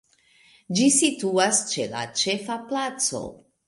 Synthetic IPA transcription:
d͡ʒisituast͡ʃe̞la̰t͡ʃe̞faplat͡so̰

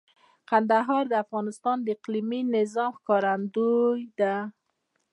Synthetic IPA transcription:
qand̪aɦɑɾd̪əafɣɑnɪst̪ɑnd̪əɪqliminɪzɑmxkɑɾand̪ujd̪a

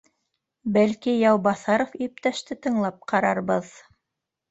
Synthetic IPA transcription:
bælkijɑwbɑθɑɾofip̚t̪æʃt̪ɘt̪ɤ̆ɴlˠɑp̚qɑɾɑɾbɤð

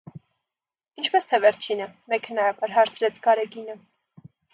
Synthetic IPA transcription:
int͡ʃʰpɛst̪ʰɛvɛɾt͡ʃʰinəmɛkhənɑɾɑbɑɾɦɑɾt͡sʰɾɛt͡sʰɡɑɾɛɡinə

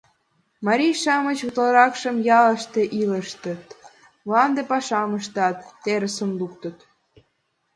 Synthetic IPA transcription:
mɑɾʲijʃɑmət͡ɕut̪lɑɾɑkʃəmjɑlə̆ʃt̪eʔiləʃt̪ət̪ | mlɑnd̪epɑʃɑməʃt̪ɑt̪ːeɾəsəmluk̚t̪ə̆t̪

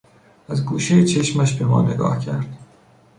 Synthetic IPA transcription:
æzɡuːʃejet͡ʃʰe̞ʃmæʃbe̞mɒ̰ːne̞̰ɡɒ̰ːhcʰæɾd̪̥

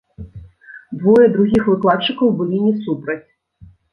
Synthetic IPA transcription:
d̪vɔjɛd̪ɾuɣʲixvɨklˠat̪t͡ʂɨkɐwbɨlʲinʲisupɾɐt͡sʲ

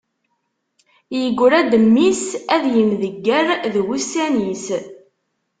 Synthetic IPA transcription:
jəɡʷːʊɾæd̪əmːisæðjəmðəɡːəɾðɣusænis

